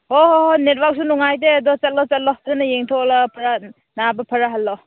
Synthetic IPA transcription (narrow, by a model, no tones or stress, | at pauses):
ɔɦɔɦonet̚bak̚sunuŋajdeɐdɔt͡ʃɐt̚lɔt͡ʃɐt̚lɔpʰɾanɐjeŋtʰɔlapʰɐɾa | nabɐpʰɐɾaɦɐlːɔ